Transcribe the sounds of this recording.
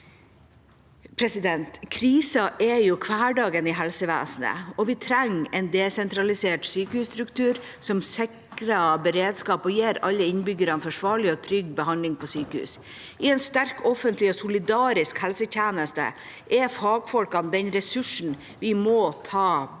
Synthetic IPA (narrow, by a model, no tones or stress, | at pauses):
pʰɾɛsɪd̪ɛnt̪kʰɾiːsɑʔɛjʊkʰʋæːɖɑːɡənɪɦɛlsəʋæ̰ːsnə̰ɔʋɪt̪ʰɾɛŋːɛnd̪ɛsɛnt̪ɾɑlɪseːʈsyːkəhʉːst̪ɾʉkt̪ʉːɾ | sɔmsɪkɾɑbəɾeːd̪skɑːpɔjeːɾɑlːəɪnbʏɡəɾɑnfɔʂʋɑːɭɪɔt̪ʰɾʏɡbəhɑnlɪŋpʰɔsyːkəhʉ̰ːs | ɪɛnst̪æɾkɔfənt̪lɪɔsʊlɪd̪ɑːɾɪskhɛlsəc͡çeːnəst̪ə̰ | ʔɛfɑːɡfɔlkɑnd̪ɛnɾɛsʉʂn̩ | ʋɪmɔt̪ʰɑː